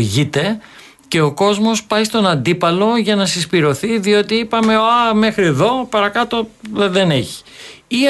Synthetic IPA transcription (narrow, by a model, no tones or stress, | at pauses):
ʝit̪e̞ | ce̞o̞ko̞zmo̞spɐjst̪o̞nɐnd̪ipɐlo̞ʝɐnɐsispiɾo̞θiðio̞t̪iipɐme̞ɐme̞xɾie̞ðo̞pɐɾɐkɐt̪o̞ðe̞ne̞çi̥ | i